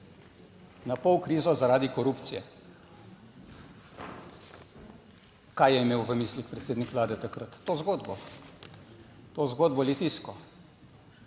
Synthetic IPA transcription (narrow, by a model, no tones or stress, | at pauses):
napɔwkɾiːzɔzaɾaːd̪ikɔɾupt̪sijɛ̰ | kajjɛimeːwʋəmislikpɾɛt̪seːd̪nikʋlaːd̪ɛt̪akɾət̪ːoːzɡoːd̪bɔ | t̪ozɡoːd̪bɔlit̪iskɔ